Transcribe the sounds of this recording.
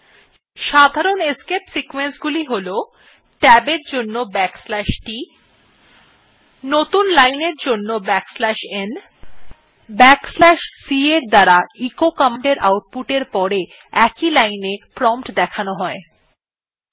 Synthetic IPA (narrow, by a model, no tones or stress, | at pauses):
ʃad̪ʱaɾoneskepsikwensɡuliɦolo | ʈɛbeɾd͡ʑonːobɛkslɛʃʈi | not̪unlajneɾd͡ʑonːobɛkslɛʃen | bɛkslɛʃsieɾd̪aɾaikokamaɳɖeɾa̰wʈ̚puʈeɾpɔɾe | ɛkilajnepɾɔmpʈd̪ɛkʰanoɦɔe